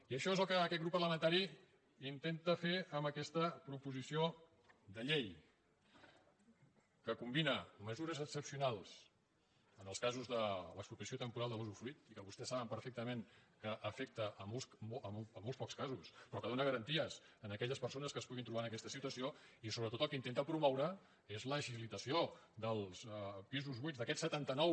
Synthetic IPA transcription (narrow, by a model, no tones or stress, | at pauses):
iəʃɔezəlˠkəːkɛt̪ɡɾupːərləmənt̪aɾi | int̪ent̪əfeəmbəkɛst̪əpɾupuzisio | d̪əʎej | kəkumbinəməzuɾəzəksəpsiunalˠs | ənəlˠskazuzðələkspɾup̪əsiot̪əmpuɾalˠd̪əluzufɾit̪ikəβust̪ɛsːaβəmpəɾfek̚t̪əmeŋkəʔəfek̚t̪əʔəmolˠsoəəmolˠspɔkskazuspɾɔkəðonəɣəɾənt̪iəsənəkɛʎəspəɾsonəskəspuɣint̪ɾuβanəkɛst̪əsit̪uəsioisoβɾət̪ot̪əlˠkəint̪enəpɾumɔwɾə | ezləʒiβlit̪əsiod̪əlˠspizuzβinzd̪əkɛt̪sət̪ant̪ənɔw